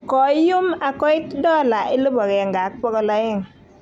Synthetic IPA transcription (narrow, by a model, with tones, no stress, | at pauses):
kɔ˨ɪ˦jʊ˦ma˨kɔ˦ɪ˦tdɔ˦˨la˨ʔɪ˦lo˦bɔ˨ɡɛ˨ŋɡa˨˦k̚pɔ˦ɡɔ˦lɔ˦ɪ˦˨ŋ